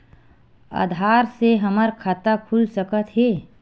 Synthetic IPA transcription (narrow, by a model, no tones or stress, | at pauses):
a̰ːd̪ʱaːɾseɦəməɾkʰat̪akʰulsəkət̪ɦeː